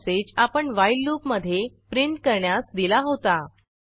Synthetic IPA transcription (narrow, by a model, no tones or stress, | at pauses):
set͡ɕapəɳʋailːupməd̪ʱːjepɾiɳʈ̚kəɾɳjasd̪ilaɦot̪a